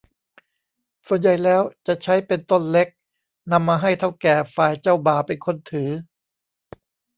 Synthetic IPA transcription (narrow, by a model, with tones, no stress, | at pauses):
su˨˩ənja˨˩jlɛː˦˥wt͡ɕa˨˩ʔt͡ɕʰa˦˥jpe˧nt̪o˥˩nle˦˥k̚ | na˧mːaː˧ɦa˥˩jt̪ʰa˥˩wkɛː˨˩faː˨˩jt͡ɕa˥˩wbaː˨˩pe˧nkʰo˧˥˨nt̪ʰɯː˩˦